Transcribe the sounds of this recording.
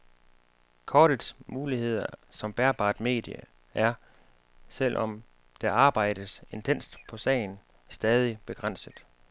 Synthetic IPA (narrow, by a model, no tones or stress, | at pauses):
kʰɒːɾ̥ə̥smuːlihe̝ð̞̰ˠɐsɒ̽mb̥æɐb̥ɑ̰̈ːd̥me̝̰ːd̥jə̰ | ʔæɐ | sel̰ʔɒ̽m | d̥æɑ̈ːb̥ɑ̈ɪ̰d̥əse̝nt͡sʰen̰sd̥pʰɒ̽sɛ̰ɪn̩ | sd̥ɛːð̞ˠib̥e̝ɡ̥ʁan̰səð̩ˠ